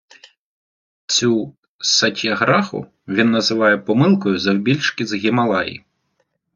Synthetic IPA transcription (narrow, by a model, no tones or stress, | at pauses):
t͡sʲu | sɐtʲiɐɣɾɑxʊ̰ | ʋʲinːɐzɪʋɑjɛpɔmɪlˠkɔjʊzɐwbʲilʲt͡ʃkɪzɦʲɪmɐlˠɑjḭ